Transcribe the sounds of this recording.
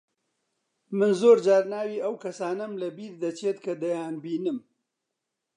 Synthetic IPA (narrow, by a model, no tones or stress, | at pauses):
mɨnzoːɾd͡ʒaːɾnaːwiːʔɐwkʰɐsaːnɐmlɐbiːɾd̪ɐt͡ʃʰeːt̪kʰɐd̪ɐjaːnbiːnɨm